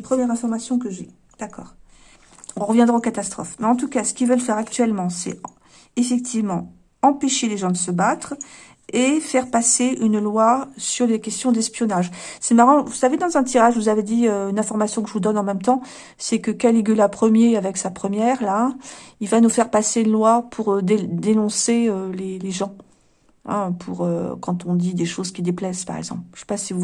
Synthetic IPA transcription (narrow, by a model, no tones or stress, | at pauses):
pχəmjɛʁɛ̃fɔʁmasjɔ̃kəʒy | d̪̥akɔ̰ːʁ | ɔ̃ʁəvjɛ̃d̪ʁaokat̪ast̪χɔ̰fmɛɑ̃t̪ukasə̥kʲilvœlfɛʁakt̪ɥɛlmɑ̃sɛ̰ | efɛk̚t̪ʰivmɑ̃ | ɑ̃peʃeleʒɑ̃d̪əsəbat̪χ | efɛʁpaseʔynlwasyʁlekʲɛst̪jɔ̃d̪ɛspjɔnaʒsɛmaʁɑ̃vusaved̪ɑ̃zɛ̃t̪̬iʁaʒvuzaved̪iøynɛ̃fɔʁmasjɔ̃kəʒəvud̪ɔnɑ̃mɛmt̪ɑ̃ | sɛkəkaleɡʲylapχəmjeavɛksapχəmjɛʁlailvanufɛʁpaseynlwapʰuʁd̪ed̪enɔ̃seøleleʒɑ̃ | ɛ̰̃pʰuʁø̰kɑ̃t̪ɔ̃d̪id̪eʃozkʲid̪eplɛspaʁɛ̰ɡzɑ̃plʃɛ̥pasivu